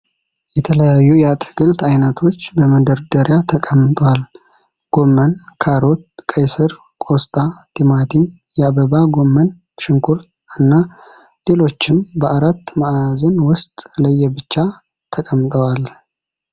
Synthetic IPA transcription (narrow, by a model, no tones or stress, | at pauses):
jɛt̪ʰələjajːujat̪ɡɨlt̪ʰajnət̪ʰo̞t͡ʃːbəməd̪əɾd̪əɾjat̪ʰəkʼəmːt̪ʼwal | ɡ̥o̞mːənkʰaɾo̞t̪̚kʼəjsəɾ | kʼo̞st̪ʼat̪ʰimat̪ʰin | jɛaβəβaɡo̞mːən | ʃɨŋkʰuɾt̪ | ɨnːa | le̞lo̞t͡ʃːɪmbəʔaɾat̪ːmaʔazənwʊst̪ʼləjːɛbɨt͡ʃːa | t̪ʰəkʼəmːt̪ʼəwal